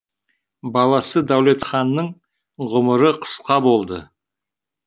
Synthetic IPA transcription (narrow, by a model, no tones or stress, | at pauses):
bɑlˠɑsəd̪æwle̞t̪χɑnːəɴ | ʁʊməɾəqʰə̥sqɑbo̞lˠd̪ə̰